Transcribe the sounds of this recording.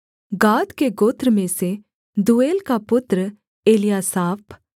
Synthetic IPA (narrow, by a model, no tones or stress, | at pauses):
ɡaːd̪keɡoːt̪ɾəmẽse | d̪ueːlkapʊt̪ɾə | eːlijasaːp